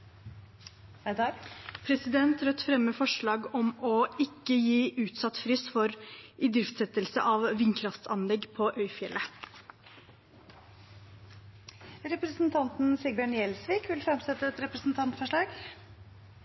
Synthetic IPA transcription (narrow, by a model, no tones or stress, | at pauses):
d̪ɑpʰɾɛsɪd̪ɛnt̪ɾœt̪ːfɾɛmːəfɔʂɭɑːɡɔmɔɪkːəjiːʔʉːt̪sɑt̪ːfɾʏsfɔɾɪd̪ɾɪft̪sɛt̪əlsə̰ʔɑʋʋɪnkʰɾɑft̪sɑnlɛɡːpʰɔʔœʏfjɛlʔə | ɾɛpɾəsnt̪ʰɑnt̪n̩sɪɡbɑɳjɛlsʋiːkʋɪlfɾɑmsɛt̪ːəɛt̪ɾɛpɾəsn̩t̪ʰɑnt̪fɔʂɭɑːɡ